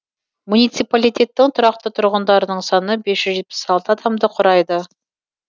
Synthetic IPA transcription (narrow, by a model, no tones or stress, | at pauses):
munijt̪sijpalijt̪e̞t̪ːɪŋt̪ʰʊɾɑq̚t̪ət̪ʰʊɾʁənd̪ɑɾənəɴsɑnəbe̞sʒ̥ʏzʒe̞t̪̚pɪ̥sɑlˠt̪əɑd̪ɑmd̪əqʰʊɾɑjd̪ə